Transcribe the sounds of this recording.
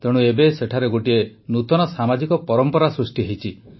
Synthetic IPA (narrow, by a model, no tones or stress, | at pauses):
t̪eɽ̃uebeseʈʰaɾeɡoʈienut̪ɔnɔsamad͡ʒikɔpɔɾɔmpɔɾasɾusʈiɦejt͡ʃʰi